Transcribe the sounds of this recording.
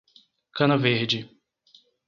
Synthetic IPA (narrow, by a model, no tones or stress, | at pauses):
kɐ̃nɐveɾd͡ʒɪ